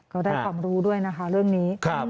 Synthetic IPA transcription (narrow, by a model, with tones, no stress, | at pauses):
kɔː˥˩daː˥˩jkwaː˧˩mɾuː˦˥du˥˩əjna˦˥kʰa˦˥ɾɯ˥˩əŋniː˦˥kʰa˦˧